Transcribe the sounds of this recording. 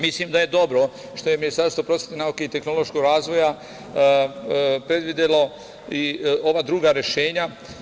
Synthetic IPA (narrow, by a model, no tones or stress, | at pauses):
mislimd̪aje̞d̪o̞bɾo̞ | ʃt̪o̞jeminist̪aɾst̪ʋo̞pɾo̞sjet̪enauke̞it̪e̞xno̞lo̞ʃkoɡɾaːzʋo̞ja | pɾe̞d̪ʋid̪elo̞ | io̞ʋaːd̪ɾuːɡaɾe̞ʃe̞ːɲa